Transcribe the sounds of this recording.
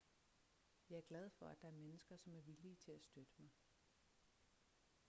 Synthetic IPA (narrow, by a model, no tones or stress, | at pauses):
jɑ̈ɪæɐɡ̥læð̞ˠfɒ̽æd̥ɑ̈æɐmenəsɡ̥ɐsɒ̽mæɐʋiliːt͡sʰe̝læsd̥ød̥əmɑ̈ɪ